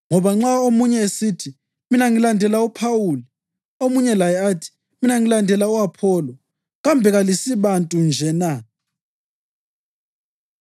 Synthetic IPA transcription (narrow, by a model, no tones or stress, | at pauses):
ŋɔβaŋ͡ǁaomuɲɛesitʰi | minaŋilandʱɛlaupʰawuːli | omuɲɛlajɛatʰi̥ | minaŋilandʱɛlauapʰɔːlɔ | ɣambʱɛɣalisiβantʼund͡ʒʱɛna